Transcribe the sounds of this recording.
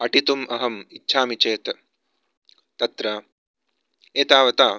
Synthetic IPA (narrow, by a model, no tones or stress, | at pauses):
ɐʈit̪umɐɦɐmitːʃʰaːmit͡ʃeːt̪ | t̪ɐt̪ɾɐ | eːt̪aːʋɐt̪aː